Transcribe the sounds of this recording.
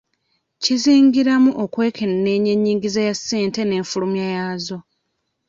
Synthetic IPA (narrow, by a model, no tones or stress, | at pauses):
ciziːŋɡiɾamuʔokwe̞ːkʰenne̞ːɲeɲːiːŋɡizajasːe̞ːnte̞ne̞ːɱfulumjajazo̞